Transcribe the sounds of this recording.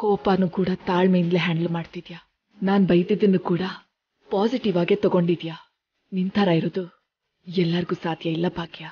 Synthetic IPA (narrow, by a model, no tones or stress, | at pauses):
koːpaːnukuːɽɐt̪aːɭmejnd̪leɦaːɳɖlmaːɖt̪id̪jaː | naːnbɐjd̪id̪ɐnːukuːɽɐ | paːsiʈiʋaːɡe̞ːt̪ɔɡo̞ɳɖid̪ja | nint̪ʰɐɾaiɾoːd̪u | ɛlːɐɾiɡuːsaːd̪jɐilːɐbaːkja